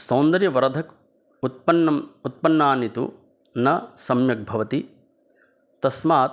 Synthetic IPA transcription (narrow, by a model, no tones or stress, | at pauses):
soːnd̪ɐɾjɐʋɐɾɐd̪ʱɐk | ut̪̚pɐnːɐmut̪̚pɐnːaːnit̪ṵ | nɐsɐmjɐk̚bʱɐʋɐt̪i | t̪ɐsmaːt̪